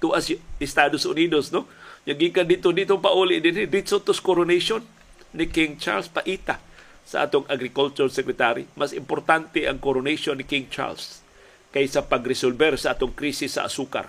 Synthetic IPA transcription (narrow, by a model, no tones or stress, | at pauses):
t̪uʔasjʔɪst̪ad̪osʔʊnid̪osnoɲaɡikand̪it̪od̪it̪oŋpaʔulɪʔd̪ɪnɪd̪ɪsot̪ʊskoɾoneʃonː | ɪkɪŋt͡ʃa̰ɾlspaʔiːt̪a | saʔa̰ːt̪oŋaɡɾɪkult͡ʃoɾsɛkɾɪt̪aɾḭmasɪmpoɾt̪ant̪ɪʔaŋkoɾoneʃonːɪkiŋt͡ʃa̰ls | kajsapaɡɾɪsolbɛɾsaʔaːt̪ʊŋkɾisɪsːa̰ʔa̰suːka̰r